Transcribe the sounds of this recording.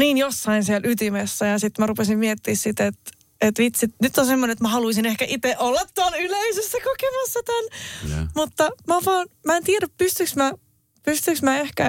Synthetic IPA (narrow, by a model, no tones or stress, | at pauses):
niːnjosːɑinsiɛlʔyt̪imesːæjɑsit̪mærupesimmiet̪ːiːssit̪et̪ | et̪ʋit̪sit̪nyt̪ːonsemːonenet̪mæhɑluisinehkæʔit̪eʔolːɑt̪ːoɑnyleisesːækokemɑsːɑt̪ænmut̪ːɑmæoʋɑːnmæent̪iæɾæppyst̪yksmæ | pyst̪yksmæehkæ